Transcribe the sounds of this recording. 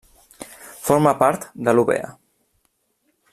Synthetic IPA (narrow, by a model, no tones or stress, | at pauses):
foɾmapaɾt̪d̪əluβḛə̰